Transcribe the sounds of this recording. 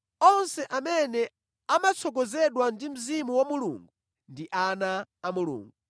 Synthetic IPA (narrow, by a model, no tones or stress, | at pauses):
ɔnsɛʔamɛnɛ | amat͡sʰɔk̬ɔzɛɗwandim̩zimuwamulṵːŋɡu | ndiʔanaːmulṵːŋɡu